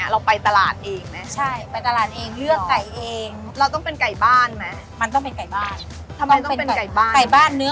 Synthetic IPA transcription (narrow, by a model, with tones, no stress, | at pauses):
ɾa˧wpa˧jt̪a˧la̰ː˨˩t̪̚ʔeː˧ŋna˦˥t͡ɕʰa˥˩jpa˧jt̪a˧laː˨˩t̪̚ʔeː˧ŋlɯ˥˩əkːa˨˩jʔeː˧ŋ | ɾa˧wt̪ɔ˥˩ŋpe˧nka˨˩jbaː˥˩nma˦˥ | ma˧nt̪ɔ˥˩ŋpe˧nka˨˩jbaː˥˩n | t̪ʰa˧ma˧jt̪e˧npe˧na˨˩ka˨˩jbaː˥˩ka˨˩jbaː˥˩nːɯ˦˥